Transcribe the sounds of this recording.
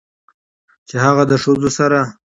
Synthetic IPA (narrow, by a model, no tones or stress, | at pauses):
t͡ʃehaɣad̪əʂozosaɾa